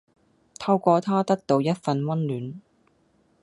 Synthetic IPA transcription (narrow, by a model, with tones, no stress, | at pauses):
t̪ʰɐ˧wkʷɔː˧t̪ʰaː˥t̪ɐ˥k̚t̪o˨˧wjɐ˥t̚fɐ˧nwɐ˥nlyː˨˥n